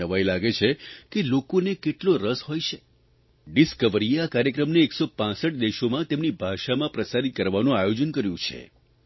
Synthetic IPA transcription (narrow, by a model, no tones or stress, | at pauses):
əʋajlaɡet͡ʃʰekelokonekeʈloɾəsɦojt͡ʃʰe | ɖiskəʋəɾieakaɾjəkɾəmneːksopãsəʈd̪eʃomãt̪emnibʱaʃamãpɾəsaɾit̪̚kəɾʋanũajod͡ʒənkəɾjũt͡ʃʰḛ